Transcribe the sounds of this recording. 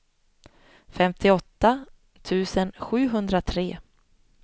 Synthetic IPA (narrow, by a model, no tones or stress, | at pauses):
fɛmt̪ʰɪɔt̪ːa | t̪ʰʉ̟ːsənɧʉ̟ːɦɵnd̪ɾat̪ʰɾeː